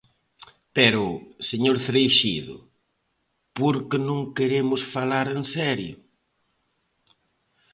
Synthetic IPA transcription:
pɛɾʊseɲoɾθɾejʃiðʊ̰ | poɾkɪnõŋkeɾemʊsfalaɾensɛɾjʊ̰

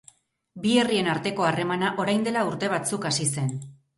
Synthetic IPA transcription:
bie̞rie̞naɾt̪e̞ko̞are̞manaʔo̞ɾajnd̪e̞lauɾt̪e̞β̞at͡sukasise̞n

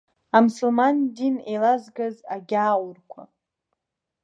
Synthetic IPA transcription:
amusulmandinejlazɡazaɡʲaːwʊrkʷʰa̰

